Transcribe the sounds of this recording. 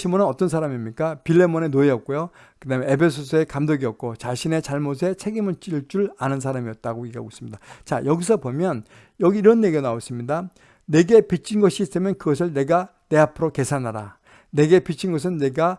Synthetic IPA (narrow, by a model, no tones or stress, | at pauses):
ɕʰimonɯnʌt͈ʌnsʰaɾamimɲik͈apiɭːe̞mone̞noejʌt̚k̚k͈ojo | kɯdamjʌnepʰe̞sʰos̬ʰɯe̞kamdoɡiʌk̚k͈ot͡ɕaɕʰine̞t͡ɕaɭmos̬ʰe̞t͡ɕʰe̞ɡimɯɭt͡ɕ͈iɭt͡ɕ͈uɭanɯnsʰaɾamiʌt̚t͈aɡoiɡa̰ɡos͈ɯmɲid̥at͡ɕa̰jʌɡisʰʌpomjʌn | jʌɡiːɾʌnjeɡionaos͈ɯmɲida | ne̞ɡe̞pit͡ɕʰinɡʌɕ͈ʰiːs͈ɯmjʌnkɯɡʌs̬ʰɯɭne̞ɡa | ne̞apʰɯɾoke̞sʰanɦaɾa | ne̞ɡe̞pit͡ɕʰinɡʌs̬ʰɯnːe̞ɡa